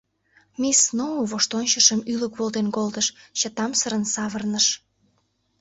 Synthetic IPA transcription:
mʲisnouβoʃt̪onʲt͡ɕəʃəmyləkβolt̪enkolt̪əʃt͡ɕət̪ɑmsəɾənsɑβərnəʃ

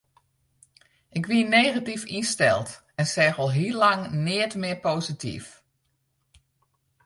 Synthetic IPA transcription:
ʔɪkʋiəneːɣatifinstɛ̰lˠt | ɛnsɛːxɔlˠɦilɑŋnɪətmɪɹpoːzitʰḭf

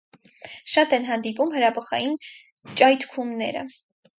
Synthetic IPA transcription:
ʃɑt̪ɛnɦɑnd̪ipumhəɾɑbɔχɑjin | t͡ʃʼɑjt̪ʰkʰumnɛ̰ɾə̰

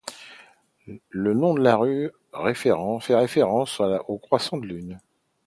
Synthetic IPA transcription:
lənɔ̃d̪əlaʁy | ʁefeʁɑ̃fɛʁefeʁɑ̃saokχwasɑ̃d̪əlyn

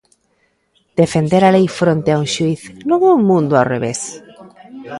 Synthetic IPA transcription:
d̪̥efend̪eɾalejfɾont̪eauʃuiθnoβomũnd̪ʊareβes

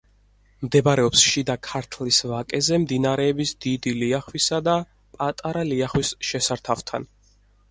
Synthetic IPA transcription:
md̪ɛbaɾɛɔpsʃid̪akʰaɾt̪ʰlisvakʼɛzɛmd̪inaɾɛːbisd̪̥id̪iliaχwisad̪a | pʼat̪ʼaɾaliaχwisʃɛsaɾt̪ʰaft̪ʰa̰n

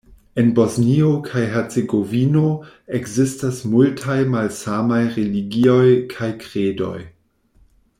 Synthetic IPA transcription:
e̞nbo̞zniokʰajɦet͡seɡovino̞ | ekzistasmultʰajmalsamajʁeliɡio̞jkʰajkɾedo̞̰j

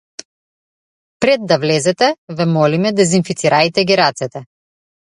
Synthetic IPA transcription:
pɾɛd̪ːavlɛzɛt̪ɛvɛmɔlimɛd̪ɛzinfit̪siɾajt̪ɛɡiɾat̪sɛt̪ɛ

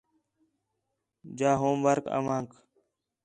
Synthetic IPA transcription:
d͡ʒaːɦoːmbəɾkə̰ʋaːŋk

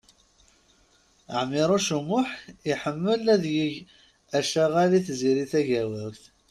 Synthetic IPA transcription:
əʕmːɪɾˤuʃəmʊħiħəmːəlæðjiʝ | æʃæʁaliθziɾiθæʝæwəɾθ

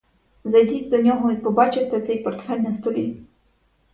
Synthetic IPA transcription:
zɐjdʲitʲd̪ɔnʲɔɦɔipɔbɑt͡ʃet̪ɪt̪sɛjpɔrt̪fɛlʲnɐst̪ɔlʲi

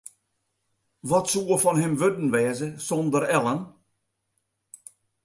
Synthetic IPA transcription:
ʋɔtsuəfɔnhɛmʋødən̩ʋɛːzəsɔ̃ndəɾɛlˠən

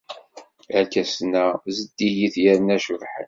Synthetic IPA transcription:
ækæsnæzəd̪ːijiθjæɾənæʃʊðħən

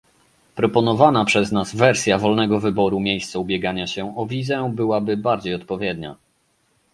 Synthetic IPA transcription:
pɾɔpɔnɔvanapʂɛznazvɛɾsʲjavɔlnɛɡɔvɘbɔɾumʲjejst̪sɔubʲjɛɡaɲaɕɛɔvʲizɛbɘwabɘbaɾd͡ʑejɔt̪̚pɔvʲjɛd̪ɲa̰

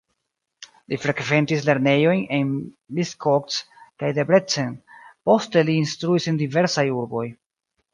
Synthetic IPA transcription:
lifɾe̞kve̞ntisle̞ɾne̞jo̞jnen | biskʰokskajdebɾet͡senpo̞ste̞liːnstɾuisendive̞ɾsajuɾbo̞j

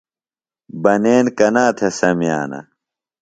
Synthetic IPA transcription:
bɐneːnkɐnaːt̪ʰesɐmija̰ːnɐ̰

